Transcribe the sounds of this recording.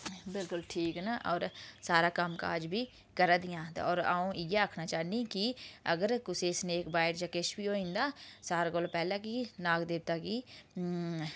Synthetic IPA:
bɪlkʊlʈʰiːknaːʔɔːɾsaːɾaːkəmka̰ːd͡ʒbʱiː | kəɾaːd̪ɪjãːt̪ːɔːɾaːũːʔɪjaːaːkʰnaːt͡ʃaːniːkiə̰ɡəɾkʊsesneːkbaːɪʈd͡ʒaːkɪʃbiːoːĩːnd̪aːsaːɾaːɡolpɛːlaːkiːnaːkd̪ɪːb̚t̪aːkiː

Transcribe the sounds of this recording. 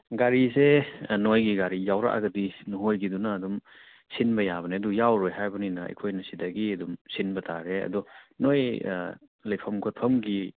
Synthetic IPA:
ɡaɾizenojɡiɡaɾijawɾa̰ʔa̰ɡɐdinuɦojɡidunɐːdum | sinbɐjabɐneɐdujawɾojɦajbɐninɐɐ̰jkʰojnɐsidɐɡiɐdumsinbɐtʰaɾeɐ̰dɔnoj | lɐjpʰɐmkʰot̚pʰɐmɡi

